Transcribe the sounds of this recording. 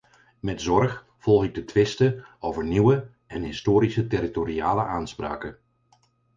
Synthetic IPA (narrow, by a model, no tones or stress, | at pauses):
mɛtzɔrx | fɔlˠɣɪɡ̚dətʋɪstəowvərniwə | ɛnɦɪstoːɾisətɪɾitoɾiaːləʔaːnspra̰ːkə